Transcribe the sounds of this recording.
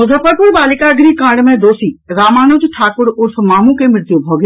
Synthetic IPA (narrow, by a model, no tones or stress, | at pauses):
ʊzʱəpəɾpuɾbaːlɪkaɡɾiːkãːɖmẽd̪oːsiːɾaːmaːnoːd͡ʒʈʰaːkʊɾʊɾsəmaːmũkemɪɾt̪jobʱɔːɡ